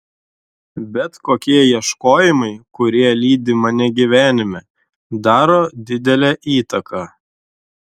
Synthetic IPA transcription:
bʲɛt̪koːkʲiɛjiɛʃkoːjɪmɐɪkʊɾʲiɛlʲiːd̪ʲɪmɐnʲɛɡʲiʋʲæːnʲɪmʲɛ | d̪ɑːɾoːd̪ʲɪd̪ʲɛlʲɛʔiːt̪ɐkʰɑː

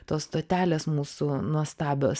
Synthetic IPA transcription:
t̪oːsst̪oːt̪ʲæːlʲeːsmuːsunuɔst̪ɑːbʲoːs

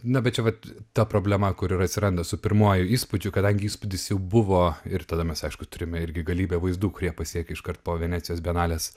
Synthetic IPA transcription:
nɐbʲɛt̪t͡ʃʲɛʋɐt̪t̪ɐpɾoːbʲlʲɛmɐkʊɾɪɾɐt̪sʲɪɾɐnd̪ɐsʊpʲɪɾmuɔjʊiːspʊd͡ʒʲʊkɐd̪ɐŋʲɡʲɪiːspʊd̪ʲɪsjɛʊbʊʋoːɪɾt̪ɐd̪ɐmʲɛsɐɪʃkʊt̪ʊɾʲɪmʲɛɪɾʲɡʲɪɡɐlʲiːbʲɛʋɐɪzd̪uːkʊɾʲiɛpɐsʲiɛkʲɪʃkɐrt̪poːʋʲɛnʲæːtt͡sʲɪjoːsbʲɛnɑːlʲeːs

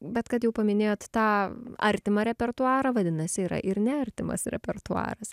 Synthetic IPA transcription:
bʲɛt̪kɐt̪jɛʊpɐmʲɪnʲeːjoːt̪t̪ɑːɐɾʲt̪ʲɪmɐɾʲɛpʲɛrt̪uɑːɾɐʋɐd̪ʲɪnɐsʲɪiːɾɐ̰ʔɪɾnʲɛɐɾʲt̪ʲɪmɐ̰sɾʲɛ̰pʲɛrt̪uɑ̰ːɾɐs

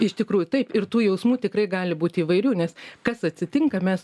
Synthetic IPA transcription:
ɪʃt̪ʲɪkɾuːjʊt̪ɐɪpɪrt̪uːjɛʊsmuːt̪ʲɪkrɐɪɡɑːlʲɪbuːt̪ʲiːʋɐɪɾʲuːnʲɛskɐsɐt̪ʲsʲɪt̪ʲɪŋkɐmʲɛs

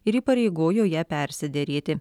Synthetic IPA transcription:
ɪɾiːpɐɾʲɛɪɡoːjoːjæːpʲɛˑɾʲsʲɪd̪ʲɛɾʲeːt̪ʲɪ

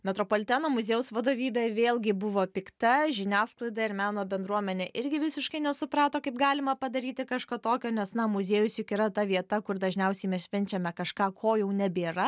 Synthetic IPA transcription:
mʲɛt̪ɾoːpoːlʲɪt̪ʲæːnoːmʊzʲeːjʊsʋɐd̪oːʋʲiːbʲɛːʋʲeːlˠɡʲɪbʊʋoːpʲɪkt̪ɐʒʲɪnʲæːsklˠɐɪd̪ɐɪɾmʲæːnoːbʲɛnd̪ɾuɔmʲɛnʲeʔɪɾʲɡʲɪʋʲɪsʲɪʃkɐɪnʲɛsʊpɾɑːt̪oːkɐɪpɡɑːlʲɪmɐpɐd̪ɐɾʲiːt̪ʲɪkɑʃkɐt̪oːkʲoːnʲɛsnɐmʊzʲeːjʊsjʊkɪɾɐt̪ɐʋʲiɛt̪ɐkʊɾd̪ɐʒʲnʲɛʊsʲɛɪmʲɛssʲʃʲʋʲɪnʲt͡ʃʲɛmʲɛkɐʃkɑːkʰoːjɛʊnʲɛbʲeːɾɐ

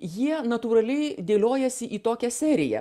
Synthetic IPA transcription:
jiɛnɐt̪uːɾɐlʲɛɪd̪ʲeːlʲoːjɛsʲɪʔiːt̪oːkʲɛsʲæːɾʲɪjɛ̰

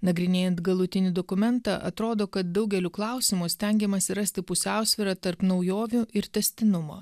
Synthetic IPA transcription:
nɐɡɾʲɪnʲeːjɛnt̪ɡɐlˠʊt̪ʲɪnʲɪd̪ɔkʊmʲɛnt̪ɑ̰ːʔɐ̰t̪ɾoːd̪oːkɐt̪̚d̪ɒʊɡʲɛlʲuklˠɐˑʊsʲɪmʊsʲt̪ʲɛŋʲɡʲɛmɐsʲɪɾɐsʲt̪ʲɪpʊsʲæˑʊsʲʋʲɪɾɑt̪ɐɾpnɒʊjoːʋʲʊʔɪɾt̪ʲɛsʲt̪ʲɪnʊmo̰ː

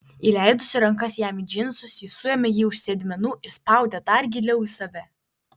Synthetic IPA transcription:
iːlʲæˑɪd̪ʊsʲɪɾɐŋkɐsjæːmid͡ʒʲɪnsʊsʲjɪsʊjɛmʲɛjiːʊʃʲsʲɛd̪ʲmʲɛnuːʔɪɾspɑˑʊd̪ʲɛd̪ɐɾɡʲɪlʲɛʊisɐʋʲɛ

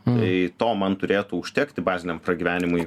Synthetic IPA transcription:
t̪ɐɪt̪oːmɐnt̪ʊɾʲeːt̪ʊʊʃʲt̪ʲɛːkt̪ʲɪbɑːzʲɪnʲɛmpɾɐɡʲiːʋʲæːnʲɪmʊɪ

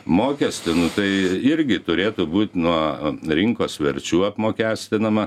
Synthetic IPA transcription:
moːkʲɛsʲt̪ʲɪnʊt̪ɐɪɪɾʲɡʲɪt̪ʊɾʲeːt̪ʊbuːt̪ʲnuɔɾʲɪŋkoːsʋʲɛɾʲt͡ʃʲuːɐpmoːkʲæːsʲt̪ʲɪnɐmɐ

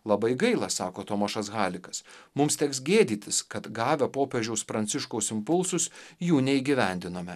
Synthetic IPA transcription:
lˠɐbɐɪɡɐɪlˠɑsɑːkoːt̪oːmɐʃɐsɣɑːlʲɪkɐsmʊmst̪ʲɛksɡʲeːd̪ʲiːt̪ʲɪskɐt̪ɡɑːʋʲopoːpʲɛʒʲɛʊspɾɐnʲsʲɪʃkoʊsɪmpʊlˠsʊsjuːnʲɛiːɡʲiʋʲɛnʲd̪ʲɪnoːmʲɛ

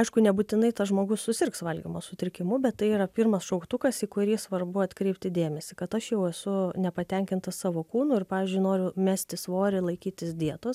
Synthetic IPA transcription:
ɐɪʃkʊnʲɛbut̪ʲɪnɐɪt̪ɐsʒmoːɡʊssʊsʲɪrksʋɐlʲɡʲḭmosʊt̪ʲɪɾʲkʲɪmʊbʲɛt̪t̪ːɐɪiːɾɐpʲirmɐsʃɐʊkt̪ʊkɐsiːkʊɾʲiːsʋɐrbʊɐt̪kɾʲɛɪp̚ʲt̪ʲɪd̪ʲeːmʲɛsʲɪkɐt̪ɐʃjɛʊɛsʊnʲɛpɐt̪ʲɛŋʲkʲɪnt̪ɐssɑːʋoːkuːnʊːɪrpɑːʋʲɪːzʲd͡ʒʲʊɪnoːɾʲʊmʲæːsʲt̪ʲɪsʋoːɾʲɪlˠɐɪkʲiːt̪ʲɪsd̪ʲiɛt̪oːs

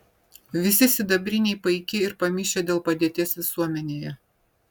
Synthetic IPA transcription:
ʋʲɪsʲɪsʲɪd̪ɐbʲɾʲɪnʲɛɪpɐɪkʲɪɪɾpɐmʲɪʃʲed̪ʲeːlˠpɐd̪ʲeːt̪ʲeːsʋʲɪsuɔmʲɛnʲeːjɛ

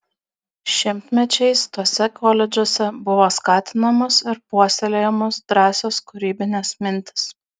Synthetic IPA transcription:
ʃʲɪmʲt̪ʲmʲɛt͡ʃʲɛɪst̪uɔsʲɛkɔːlʲɛd͡ʒʲuɔsʲɛbʊʋoːskɑːt̪ʲɪnɐmʊsɪɾpuɔsʲɛlʲejɛmʊsd̪ɾɑːsʲoːskʊɾʲiːbʲɪnʲeːsmʲɪnʲt̪ʲɪ̥s

